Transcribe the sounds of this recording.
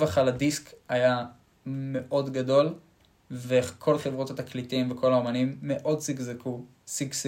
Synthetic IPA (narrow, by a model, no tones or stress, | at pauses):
vaχaladiskaja | me̞ʔo̞dɡado̞l | vekʰo̞lχevʁo̞t̪hat̪aklitimvekʰo̞laomanimːe̞ʔo̞dsiɡzekʰu | siɡs